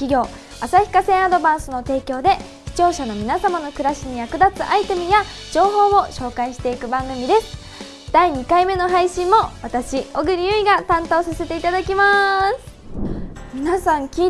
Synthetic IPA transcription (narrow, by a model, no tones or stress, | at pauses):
kʲiɡʲo̞ː | asaçi̥kasẽ̞ɰ̃ad̪o̞bãɰ̃sɨno̞t̪e̞ːkʲo̞ːd̪e̞ | çi̥t͡ɕo̞ːɕano̞mʲinasamano̞kɯ̟ɾaɕiɲ̟ijakɯ̟d̪at͡sɨʔait̪e̞mɯ̟ja | d͡ʑo̞ːɦo̞ːmo̞ɕo̞ːkaiɕi̥t̪e̞ikɯ̟bãŋɡɯ̟mʲid̪e̞sɨ̥ | d̪̥aiɲ̟ikaime̞no̞ɦaiɕĩmːo̞βat̪aɕio̞ɡɯ̟ɾʲijɯiɡat̪ãnt̪o̞ːsase̞t̪e̞it̪ad̪akʲimasɨ̥ | mʲinasãŋkʲiː